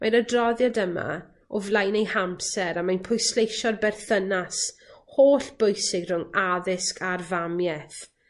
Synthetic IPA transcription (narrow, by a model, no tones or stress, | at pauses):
majnədrɔðjadəma̰ | ɔvlˠajnejhampsɛɾamajnpʰʊjslejʃɔrbɛrθənashoːɬb̥ojsɪɡr̥ʊŋaðɪskʰarvamjɛθ